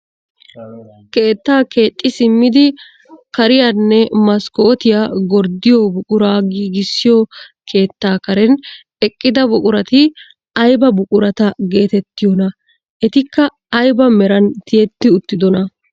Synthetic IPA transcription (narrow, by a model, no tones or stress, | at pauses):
ke̞ːt̪ːaːke̞ːt̪ʼːɪsɪmːɪd̪ɪ | kɐɾɪjaːnːɛmɐskoːt̪ɪjaɡɔɾd̪ɪjɔbʊkʼʊɾaːɡiːɡɪsːɪjɔkʰe̞ːt̪ːaːkɐɾɛn | ɛkʼːɪd̪ɐbʊkʼʊɾɐt̪ɪ | ɐjbɐbʊkʼʊɾɐt̪ɐɡe̞ːt̪ɛt̪ːɪjɔnɐ | ʔɛt̪ɪkːɐː | jbɐmɛɾɐnt̪ɪjɛt̪ːɪʊt̪ːɪd̪ɔnɐ